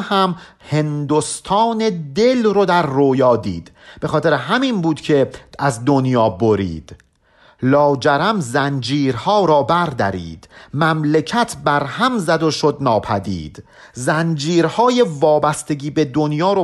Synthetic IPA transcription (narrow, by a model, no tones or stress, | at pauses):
hæm | he̞nd̪ost̪ʰɒːned̪elɾod̪æɾːoːjɒːd̪ḭːd̪̥ | b̥e̞xɒːt̪e̞ɾeɦæmiːnbuːd̪̥cʰe̞æzd̪onjɒːboɾḭːd̪̥ | lɒːd͡ʒæɾæmzænd͡ʒiːɾhɒːɾɒːbæɾd̪æ̰ɾḭːd̪̥mæmlecʰæt̪ʰbæɾhæmzæd̪oʃo̞d̪nɒːpʰæd̪ḭːd̪̥ | zænd͡ʒiːɾhɒːje̞vɒːbæst̪e̞ɟiːbe̞d̪onjɒːɾo